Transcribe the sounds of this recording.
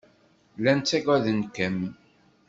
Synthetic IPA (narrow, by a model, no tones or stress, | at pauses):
lænt͡sːæɡæðənkæm